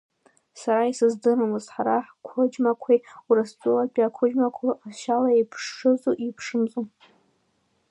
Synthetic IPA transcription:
saɾaisɨzdɨɾamɨzħaɾaħkʷʰʊd͡ʒmakʷʰejwrɨst͡sʷʼʊlapʲʼakʷʰʊd͡ʒmakʷʰaaʃalaepʰʂːɨzuʔipʰʂɨmzʼo

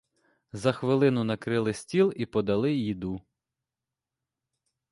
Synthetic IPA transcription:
zɐxʋɪlˠɪnʊnɐkɾɪlˠɪsʲtʲilˠipɔd̪ɐlˠɪjid̪u

